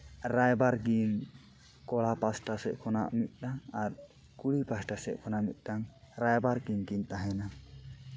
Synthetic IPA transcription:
ɾajbaɾɡiŋ | kɔɭapasʈasɛʔ̚kʰɔnaʔmit̪̚ˀdaŋaɾ | kuɽipasʈasɛʔ̚kʰɔnamit̪̚ˀdaŋ | ɾajbaɾɡiŋɡiɲt̪aɦɛna

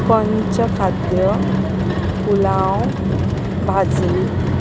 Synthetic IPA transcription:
kənt͡ɕəkʰad̪jə | kulãw | bʱad͡zi

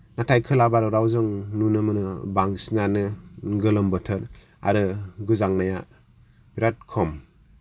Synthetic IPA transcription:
natʰajkʰɯlabaɾɯɾawzɯŋnunɯmɯnɯbaŋsinanɯɡɯlɯmbɯtʰɯɾ | a̰ɾɯɡuzaŋnaja | biɾat̚kʰɔm

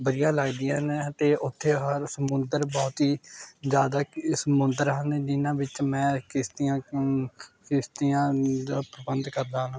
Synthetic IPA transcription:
bəɾɪjãːlaːɡd̪ɪjãːnet̪eːʔʊt̪ʰːeːɦəɾsəmʊnd̪əɾbɔːt̪ɦiːd͡ʒjaːd̪aːsəmʊnd̪əɾɦə̃nːd͡ʒɪnãːʋɪt͡ʃmɛ̃ːkɪst̪ɪjãː | kɪst̪ɪjãːd̪aːpɾəbənd̪kəɾd̪ãːn

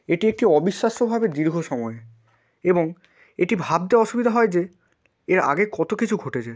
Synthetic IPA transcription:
eʈiek̚ʈiɔbiʃːaʃobʱabed̪iɾɡʱoʃɔmɔe | eboŋ | eʈibʱab̚d̪eɔʃubid̪ʱaɦɔed͡ʑe | eɾa̰ɡekɔt̪okit͡ɕʰuɡʱoʈet͡ɕʰa

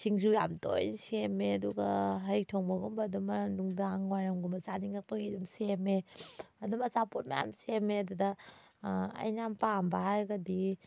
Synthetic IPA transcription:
siŋzujamto̰jnsemeɐduɡɐɦaɾik̚tʰɔŋbɐɡumbɐdumɐnuŋdaŋwajɾamɡumbɐzaniŋɐpɯidumsemeɐdumɐzapot̚ma̰ja̰msemeɐdudɐ | ɐ̰jnampambahajɡɐdi

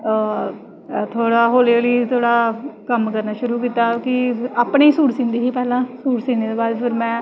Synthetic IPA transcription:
t̪ʰoːɽaːɦoːleːliːt̪ʰoːɽaːkəmkəɾnaːʃʊɾuːk̬iːt̪aːkɪaːpɳeːsuːʈsĩːnd̪iːɦiːpɛːlãːsuːʈsĩːneːd̪eːbaːd̪pɪɾmɛ̃ː

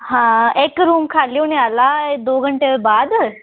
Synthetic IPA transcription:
ɦãekɾuːmkʰaljunealad̪oːɡʱəɳʈeʋəɾbad̪

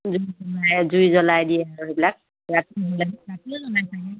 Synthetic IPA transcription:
zuzɔlajzujzɔlajdijɛaɹuɦejbilak̚ | ɹatiɔbɔlaɡɛɹatizɔnajsakɛ

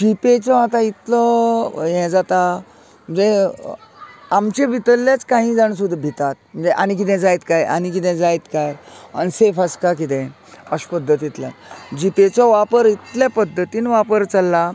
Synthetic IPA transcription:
d͡ʑipet͡sɔat̪ait̪lɔjɛ̃d͡zat̪a | mm̤əɳd͡ze | amt͡ɕebʱit̪əlːat͡skaɦĩd͡zaɳsud̪ʱbʱit̪at̪̚m̤əɳd͡zeʔañik̬it̪̬ɛ̃d͡zajt̪kaja̰nik̬it̪̬ɛ̃d͡zajt̪kaja̰nisefaskak̬it̪̬ɛ̃ | əɕpəd̪ʱːət̪it̪lja̰d͡ʑipet͡sɔʋapəɾit̪ljapəd̪ʱːət̪iːnʋapəɾt͡salːa

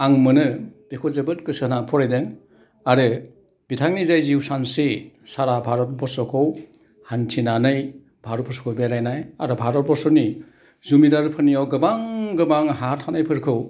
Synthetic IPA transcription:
aŋmɯnɯb̥ekʰɔzebɯtkɯsɯnapʰɔɾajdeŋ | aɾɯ | b̥itʰaŋnizajziwsansesaɾabʱaɾɔt̚bɔsɔkʰɯw | hantʰinanɯj | bʱaɾɔt̚bʰɔsɔ̥kʰɔwbelajnajaɾɯbʱaɾɔt̚bɔsɔni | zumidaɾpʰɯnijawɡɯbaŋɡɯbaŋɦatʰanajpʰɯɾkʰɯw

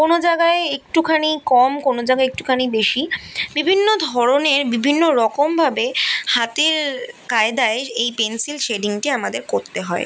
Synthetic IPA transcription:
konod͡ʑaɡaeek̚ʈukʰanikɔmkonod͡ʑaɡaeek̚ʈu̥kʰanibeʃibibʱinːod̪ʱɔɾoneɾbibʱinːoɾɔkombʱabehat̪eɾkaed̪aeejpensilʃeɖiŋʈiamad̪eɾkoɾt̪eɦɔe

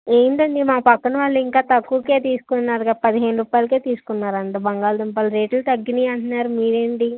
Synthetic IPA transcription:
eːnd̪ɐnd̪imaːpɐkːɐnɐʋaːɭːiŋkaːt̪ɐkːuːkeːt̪iːsukunːaːɾɡɐpɐd̪iɦeːnuɾuːpaːjlɐkeːt̪iːsu̥kunːaːɾɐɳʈɐbɐŋɡaːlɐd̪impɐːlɐɾe̞ːʈlɐt̪ɐɡːiniːɐɳʈunːaːɾumiːɾeːɳʈi

